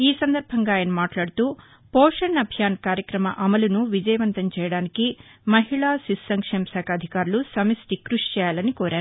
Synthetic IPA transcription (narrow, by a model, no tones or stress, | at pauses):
iːsɐnd̪ɐɾbʱɐŋɡaːjɐnɐmaːʈlaːɽut̪uː | pɔːʂɐnːɐbʱjaːnkaːɾjɐkɾɐmɐ̰ʔɐmɐlunuʋid͡ʒɐjɐʋɐnt̪ɐmt͡ʃɛːjɐɽaːnikimɐɦiɭaːsisɐŋkʂeːmɐsaːkʰɐːd̪ʱikaːɾulusɐmisʈikɾuʂt͡ʃɛːjaːlɐnikɔːɾaːɾu